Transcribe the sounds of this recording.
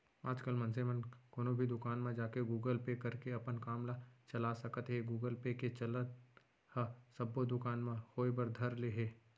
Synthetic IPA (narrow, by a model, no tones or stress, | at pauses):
aːd͡ʒkəlmɐ̃nsemənkoːnõbʱid̪ʊkaːnmẽd͡ʒaːkeɡuːɡəlpekɐɾkeɐpənkaːmlat͡ʃɐlasɐkt̪ɦɛɡuːɡəlpeket͡ʃɐlə | hasɐbːod̪ʊkaːnmẽhoːebəɾd̪ʱɐɾleɦɛː